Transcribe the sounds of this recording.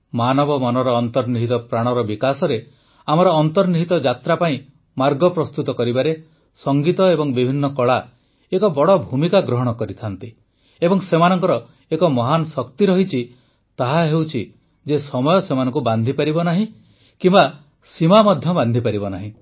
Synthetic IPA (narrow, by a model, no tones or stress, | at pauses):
manɔbɔmɔnɔɾɔːnt̪ɔɾniɦit̪ɔpɾaɽ̃ɔɾɔbikasɔɾe | amɔɾɔːnt̪ɔɾniɦit̪ɔd͡ʒat̪ɾapaĩ | maɾɡɔpɾɔst̪ut̪ɔkɔɾibaɾe | sɔŋɡit̪ɔebɔŋbibʱinːɔkɔɭa | ekɔbɔɽɔbʱumikaɡɾɔɦɔɽ̃ɔkɔɾit̪ʰant̪i | ebɔŋsemanɔŋkɔɾɔ | ekɔmɔɦanɔsɔkt̪iɾɔɦit͡ʃʰi | t̪aɦaɦewt͡ʃʰi | d͡ʒesɔmɔjɔsemanɔŋkuband̪ʱipaɾibɔnaɦĩ | kimba | simamɔd̪ʱjɔband̪ʱipaɾibɔnaɦĩ